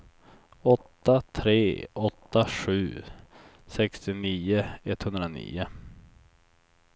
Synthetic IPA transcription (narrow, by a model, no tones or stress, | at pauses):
ɔt̪ːat̪ʰɾeːɔt̪ːaɧʉ̟ː | sɛkst̪ɪniːʊɛt̪ːhɵnd̪ɾanḭːʊ